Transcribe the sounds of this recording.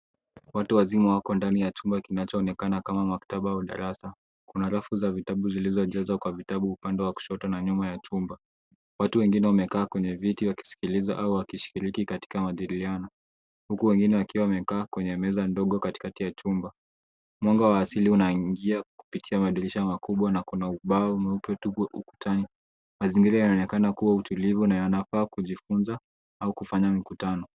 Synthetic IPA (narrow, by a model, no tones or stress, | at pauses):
watuwazimawakɔndanijat͡ʃumbakinat͡ʃɔːnɛkanakamamakḁtaɓaauɗa̰ɾasa | kunaɾafuzavitaɓuzilizɔʄɛzwakwavitaɓuupandɛwaku̥ʃɔtanaɲumajat͡ʃumba | watuwɛŋɡinɛwamɛkaːkwɛɲɛvitiwaki̥si̥kiliza̰ʔauwakiʃi̥kiɾikikati̥kamaʄiɾilianɔ | hukuwɛŋɡinɛwakiwawamɛkaːkwɛɲɛmɛzandɔɠɔkati̥katijat͡ʃumba | mwɔŋɡawaːsiliunaiŋɡiaku̥pitʰiamaɗiliʃamakuɓwanakunauɓaɔmɛupɛtuṵku̥tʰani | maziŋɡiɾajanaɔnɛkanakuwautulivunajanafaːkuʄifunza | aukufaɲamikutanɔ